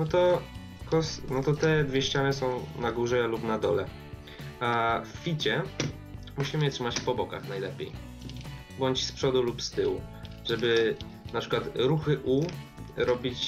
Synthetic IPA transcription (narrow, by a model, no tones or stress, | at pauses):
nɔt̪ɔ | kɔsnɔt̪ɔt̪ɛd̪vʲeɛɕt͡ɕanɘsɔ̃w̃naɡuʐɛlupnad̪ɔlɛ | affʲit͡ɕɛ | muɕimɘɛtʂɘmat͡ɕpɔbɔka̰xnajlɛpʲjḛj | bɔɲt͡ɕspʂɔd̪ulupst̪ɘwu | ʐɛbɘ | napʂɘkwat̪ɾuxɘʔuɾɔbʲit͡ɕ